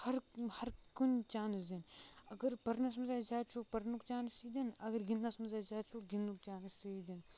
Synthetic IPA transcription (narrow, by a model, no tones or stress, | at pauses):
hɐɾhɐɾkunt͡ʃaːnisd̪inɐɡəɾpɐɾnas̬mɐzaːd͡ʒaːt͡ʃʰuk̚pɐɾnukt͡ʃaːnisid̪inɐɡɐɾɡinːasmɐzaːd͡ʒaːt͡ʃʰuɡinːuk̚t͡ʃaːnist̪iid̪in